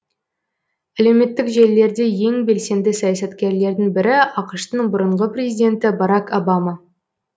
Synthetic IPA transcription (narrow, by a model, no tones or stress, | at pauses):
æle̞wme̞t̪ːɪkʒe̞lːe̞ɾd̪e̞je̞ŋbe̞lse̞nd̪ɪsɑjɑsɑt̪kʲe̞ɾle̞ɾd̪ɪŋbɪɾɪɑqəʃt̪əɴbʊɾəɴʁəprʲezid̪ʲe̞nt̪ɪbɑɾɑkobɑmɑ